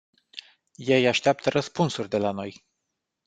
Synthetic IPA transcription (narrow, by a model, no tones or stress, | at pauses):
je̞jaʃt̪eap̚t̪əɾʔəspunsurʲd̪e̞lano̞j